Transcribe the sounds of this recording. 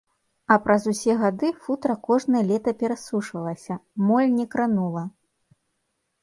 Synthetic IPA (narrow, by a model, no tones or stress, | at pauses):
ɐpɾɐzusʲɛɣad̪ɨfut̪ɾɐkɔʐnɐjɐlʲɛt̪ɐpʲɛɾasuʂvɐlˠɐsʲɐmɔlʲnʲɛkɾanulˠɐ